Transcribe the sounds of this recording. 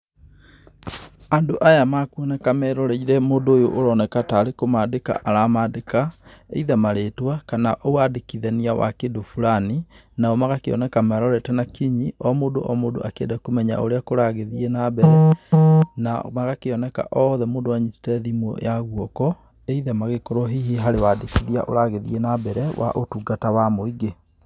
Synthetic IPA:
andoʔajamakuɔnɛkamɛɾɔɾɛiɾɛmoːndoːjoʔoɾɔnɛkataːɾekomaːdeka̰ʔaɾamaːdekaḛiðɛmaɾeːtwakanaʔowadekiðɛniawa̰kedofuɾaninaɔmaɣakeɔ̰nɛkamɛɾɔɾɛtɛnakiɲiɔmoːdoʔɔmoːdo̰ʔakeedɛkomɛɲa̰o̰ɾeakoɾaɣeðienabɛɾɛ | na̰maɣakeɔnɛka̰ʔɔðɛmoːndowaɲisi̥tɛðimwɔ̰jaɣwɔkɔ | eiðɛmaɣekɔɾɔɦiɦiɦaɾewadekiðia̰ʔo̰ɾaɣeðienabɛɾɛwa̰ʔotuɡatawamoiɡe

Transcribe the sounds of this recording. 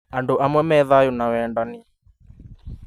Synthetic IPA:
anduʔamwɛmɛðajunawɛndani

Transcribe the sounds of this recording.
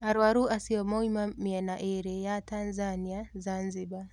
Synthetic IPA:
aɾwaɾuasiɔmɔimamiɛnaʔeɾɛjatanzaniazanziɓa

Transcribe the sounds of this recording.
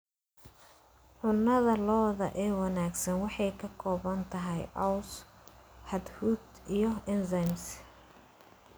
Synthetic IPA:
ʕʊnːɐðɐlɔːðɐʔɛːwɑnaːɡsɐnwɑħɑjkʰɐkʰɔːβɐnt̪ʰɐɦɛjʔɐws | ħɑd̪hud̪ | ijɞɪnzɐjms

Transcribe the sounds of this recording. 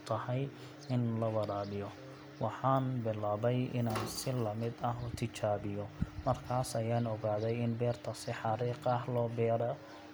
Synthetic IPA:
t̪ʰɐhɛj | ɪnlɐwɐɾaːbɪjɔ | wɑħɑːnbɪlaːβɛjʔɪ̰naːnsɪlɐmɪd̪ɐɦʊt̪ʰɪt͡ʃaːβɪjɔmɐrkʰaːsɐjaːnɔɣaːðɛjɪnbɛːrt̪ʰɐsɪħɑɾiːqɐɦlɔːbɛːɾɔ

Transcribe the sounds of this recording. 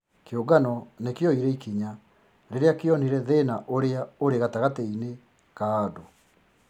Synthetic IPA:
keoɡanɔnekeɔiɾɛikiɲa | ɾeɾeakeɔniɾɛðenaʔoɾeaoɾeɣataɣatɛine | kaːdo

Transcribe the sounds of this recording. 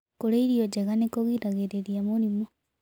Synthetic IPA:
koleiɾioɟeɣanekoɣiɾaɣeɾeɾjamuɾimo

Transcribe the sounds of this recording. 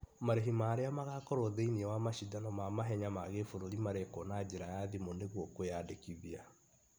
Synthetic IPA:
maɾeɦimaːɾeamaɣakɔɾoðeiniɛwamaʃidanɔmamaɦɛɲamaɣefoɾoɾimaɾekonad͡ʑeɾajaðimoneɣwɔkojadekiðia

